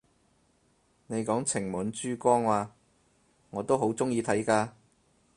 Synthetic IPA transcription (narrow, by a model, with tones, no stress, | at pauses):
ne˨˧jkɔː˨˥ŋt͡sʰɪ˨˩ŋmuː˨˥nt͡ʃyː˥kʷɔː˥ŋwaː˧ | ŋɔː˨˧t̪o˥wɦo˨˥wt͡sʊ˥ŋjiː˧t̪ʰɐ˨˥jkaː˧